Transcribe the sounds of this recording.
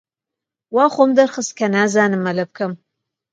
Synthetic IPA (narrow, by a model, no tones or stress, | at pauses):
waːχomd̪ɐɾχɨst̪̚kʰɐnaːzaːnɨmːɐlɐb̚kʰɐm